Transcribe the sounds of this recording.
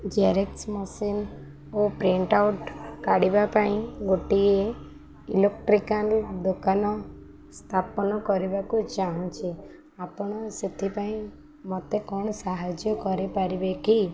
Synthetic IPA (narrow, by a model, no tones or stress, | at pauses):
d͡ʒaɾeksmɔsin | opɾiɳʈauʈkaɽibapaĩɡoʈie | ilek̚ʈɾikanld̪ukanɔ | st̪ʰapɔnɔkɔɾibakut͡ʃaɦɔ̃t͡ʃʰi | apɔɽ̃ɔset̪ʰipaĩ | mɔt̪ekɔɳ̃ɔsaɦad͡ʒjɔkɔɾepaɾibeki